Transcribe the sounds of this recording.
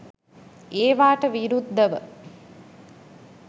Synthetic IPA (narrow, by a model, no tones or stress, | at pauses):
eːʋaːʈəʋiɾud̪ʱːəʋə